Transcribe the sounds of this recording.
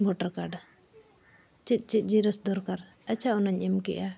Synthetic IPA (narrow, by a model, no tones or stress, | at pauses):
mɔʈaɾkaɖ | t͡ʃit̪̚ˀt͡ʃit̪̚ˀd͡ʒiɾɔsd̪ɔɾkaɾ | ət͡ʃaʔɔnaɲʔɛmkɛ̰ʔa